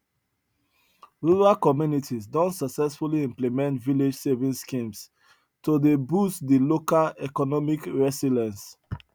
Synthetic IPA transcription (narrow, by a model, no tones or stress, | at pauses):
ɹuɹalkɔmjunitʰizdɔ̃ntsaksɛsfuliĩmplimɛ̃ntviled͡ʒsevĩskĩms | todebustdilokalɛkɔnɔmikɹɛsilɛ̃ns